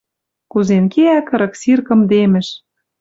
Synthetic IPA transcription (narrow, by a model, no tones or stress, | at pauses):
kuzenkeækɤɾɤ̆ksirkɤ̆md̪emɘ̆ʃ